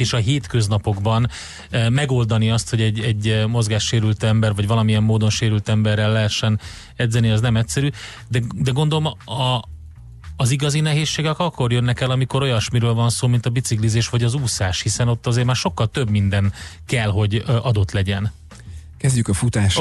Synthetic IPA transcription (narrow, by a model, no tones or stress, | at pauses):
eːʃɒɦeːt̪kø̞znɒpo̞ɡbɒn | mɛɡo̞ld̪ɒniɒst̪ho̞ɟɛɟːɛɟːmo̞zɡaːʃːeːɾylt̪ɛmbɛrvɒɟvɒlɒmiɛmːoːd̪o̞nʃeːɾylt̪ɛmbɛrːɛlːɛɦɛʃːɛn | ɛd̪zɛniɒznɛmɛcʲsɛɾyː | d̪ɛd̪ɛɡo̞nd̪o̞lomɒ | ziɡɒzinɛɦeːsːeːɡɛkɒkːo̞rjønːɛkɛlɒmiko̞ɾo̞jɒʃmiɾøːlvɒnsoːmint̪ɒbit̪siklizeːʃʋɒɟɒzuːsaːʃhisɛno̞t̪ːɒzeːrmaːrʃo̞kːɒlt̪ø̞bmind̪ɛn | kɛlɦo̞ɟʔɒd̪o̞t̪lɛɟɛn | kɛzɟykɒfut̪aːʃ